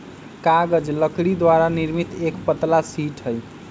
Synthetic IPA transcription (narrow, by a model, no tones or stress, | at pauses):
kaɡəd͡ʒləkɽid̪waɾaniɾmit̪ekpət̪lasiʈʰəj